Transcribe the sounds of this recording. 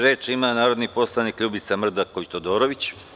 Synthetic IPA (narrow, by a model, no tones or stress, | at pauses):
ɾe̞ːt͡ʃimanaːɾod̪nipo̞st̪anikʎuːbit̪samr̩d̪akoʋit̪od̪o̞ːɾoʋit͡ɕ